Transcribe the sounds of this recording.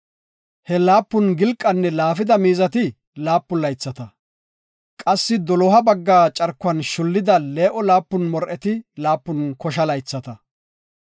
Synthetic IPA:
hɛlaːpːʊnɡɪlkʼːɐnːɛlaːfɪd̪ɐmiːzɐt̪ɪ | laːpːʊlɐjt͡sːɐt̪ɐ | kʼɐsːɪd̪ɔlɔɦɐbɐɡːaːt͡ʃʼɐɾkːʊɐnʃʊlːɪd̪ɐle̞ːʔɔlaːpːʊnmɔɾʔɛt̪ɪlaːpːʊnkɔʃɐlɐjt͡sːɐt̪ɐ

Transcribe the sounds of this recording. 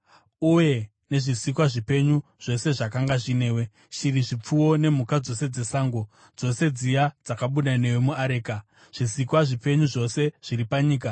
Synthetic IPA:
uje̞ | ne̞ʐisikwaʐipe̞ɲu | ʐ̥o̞se̞ʐakaŋɡaʐine̞ːwe̞ | ʃiriʐip͡fuwo̞ne̞m̤ukad͡zo̞se̞d͡ze̞saːŋɡo̞ | d͡zo̞se̞d͡zijad͡zakaɓuɗane̞wemuaɾe̞ːka | ʐ̥isikwaʐipe̞ɲuʐo̞se̞ʐ̥iɾipaɲiːka

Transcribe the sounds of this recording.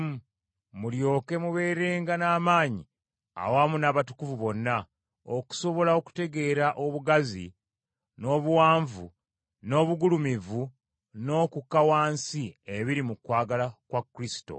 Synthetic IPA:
mu | muljo̞ːke̞muβe̞ːɾe̞ːŋɡanaːmaːɲḭ | a̰wamunaːβatukuvuβo̞nːa | o̞̰ku̥so̞βo̞lao̞ku̥te̞ɡe̞ːɾaʔo̞βuɡazḭ | no̞ːβuwaːɱvu | no̞ːβuɡulumivu | no̞ːkukːawaːnsieβiɾimukwaːɡalakwakːɾisi̥to̞̰

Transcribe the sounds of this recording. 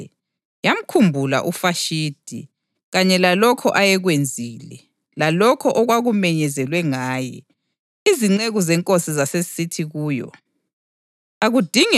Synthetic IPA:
jam̩kʰumbʱula̰ʔufaʃiːd̥ʱḭ | ɣaɲɛlalɔkʰɔʔajɛɣwend͡zʱiːlɛ̰ | lalɔkʰɔʔɔɣwaɣumɛɲɛzɛlwɛŋaːjɛ̰ | iziŋ͡ǀeɣuzɛŋkʼosizasezisitʰiɣuːjɔ̰ | aɣud̥ʱiŋ

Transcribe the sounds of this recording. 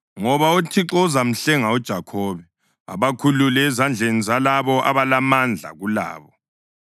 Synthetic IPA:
ŋɔβautʰiǁɔzam̩ɬɛŋaud̥ʒ̥ʱakʰɔːβɛ | a̰βakʰululɛːzand͡ɮʱenizalaβɔʔa̰βalamand͡ɮʱa̰ɣula̰ːβɔ

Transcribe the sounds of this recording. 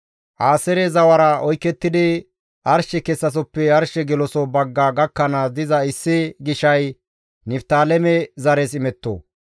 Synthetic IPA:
ʔaːsɛɾɛzɐwɐɾɐɔjkːɛt̪ːɪd̪ɪ | ʔɐɾʃɛkɛsːɐs̬ɔpːɛɐɾʃɛɡɛlɔsɔbɐɡːɐɡɐkːɐnasd̪ɪzɐɪsːɪɡɪʃɐj | nɪft̪aːlɛmɛzɐɾesɪmɛt̪ːo̰ː

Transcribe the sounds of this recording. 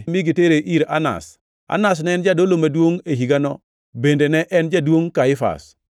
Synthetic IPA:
miɡiteɾeʔiɾa̰na̰s | a̰nas̬nɛnd͡ʒadolomadwoŋeɦiɡanɔ | bendenɛʔɛnd͡ʒadwoŋkaifa̰s

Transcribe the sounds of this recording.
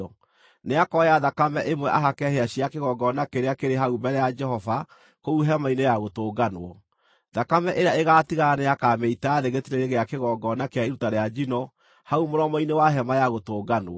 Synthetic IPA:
ɔ | neakɔjaðakamɛʔemwɛʔaɦakɛheaɕiakeɣɔɡɔnakeɾeakeɾeɦaumbɛɾɛjad͡ʒɛɦɔva | kouɦɛmainejaɣotoːɡanwɔ | ðakamɛʔeɾeaeɣaːtiɣaaneakameitaːðeɣetiɾeɾeɣeakeɣɔɡɔnakeaeɾutaɾead͡ʒinɔ | haumoɾɔmɔinewaɦɛmajaɣotoːɡanwɔ

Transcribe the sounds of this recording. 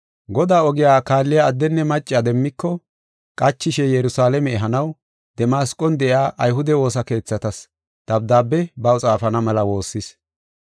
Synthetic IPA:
ɡɔd̪aːɔɡɪjaːkaːlːɪjaːd̪ːɛnːɛmɐt͡ʃʼːɪad̪ɛmːɪkːɔ | kʼɐt͡ʃːɪʃɛjɛɾʊsaːlɛmɛːɦɐnɐw | d̪̥ɛmaːskʼːɔnd̪ɛʔɪaːʔɐjɦʊd̪ɛwo̞ːsɐke̞ːt͡sːɐt̪ɐs | d̪̥ɐb̚d̪aːbːɛbɐwt͡sʼaːfɐnɐmɐlɐwo̞ːsːɪs

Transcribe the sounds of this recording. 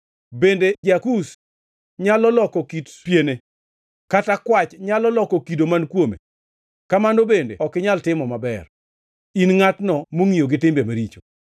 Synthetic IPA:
bended͡ʒakus | ɲalɔlɔkɔkitpjene | katakwat͡ʃɲalɔlɔkɔkidomankwomḛ | kamandobendḛɔkɪɲaltɪmɔmabɛ̰r | inŋatnɔmoŋijoɡɪtɪmbemaɾit͡ʃo

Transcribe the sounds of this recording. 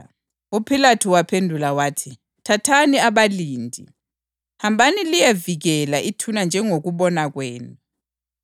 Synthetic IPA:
upʰilatʰuwapʰendʱulawaːtʰi | tʰatʰaniaβaliːndʱḭ | hambʱanilijeviɣɛlaʔitʰunand͡ʒʱɛŋoɣuβɔnaɣwɛːnu

